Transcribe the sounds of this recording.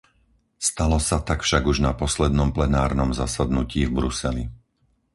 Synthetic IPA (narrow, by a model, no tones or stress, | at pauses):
st̪alɔsat̪akfʃaɡuʒnapɔslɛd̪nɔmplɛnaːɾnɔmzasad̪nuciːvbɾusɛlḭ